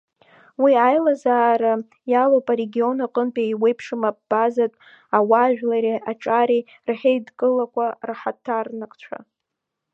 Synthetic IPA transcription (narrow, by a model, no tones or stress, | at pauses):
wiajlazaːɾa | jalowpʼaɾe̞ɡʲio̞naqʼənpʼaiwe̞jpʰʂɨmab̚b̥azatʼ | awaʒᶣlaɾiʔaʈ͡ʂʼaɾi | rħejdkʼɨlakʷarħatʰːarnakʰʼt͡ʃʷʰa̰